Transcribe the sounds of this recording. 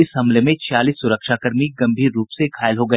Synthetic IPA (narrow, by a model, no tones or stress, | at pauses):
ɪsɦɐmlemẽt͡ʃaːliːsːʊɾəkʃaːkɐɾmiɡɐ̃mbʱiːɾːuːpsekʰaːɪlɦoɡɐ